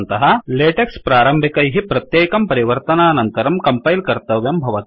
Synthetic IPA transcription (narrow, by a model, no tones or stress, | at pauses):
nt̪ɐɦɐleːʈekspɾaːɾɐmbʱikɐjɦipɾɐt̪jeːkɐmpɐɾiʋɐɾt̪ɐnaːnɐnt̪ɐɾɐmkɐmpɐjlkɐɾt̪ɐʋjɐmbʱɐʋɐt̪i